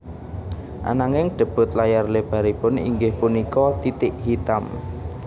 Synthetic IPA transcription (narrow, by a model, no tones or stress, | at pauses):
ʔa̰naŋɪŋɖ̪̥ə̤b̥ʊ̤t̪lajarleb̥a̤ɾipʊnḭŋɡɪhpunikɔt̪it̪ɪʔhit̪am